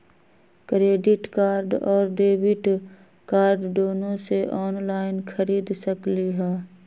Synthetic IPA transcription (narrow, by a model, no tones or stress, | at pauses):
kɾeːɖɪʈkaːɾɖɔːɾɖeːbɪʈ | kaːɾɖd̪oːnõseʔɔːnlaːɪnkʰəɾiːd̪səkliɦɛː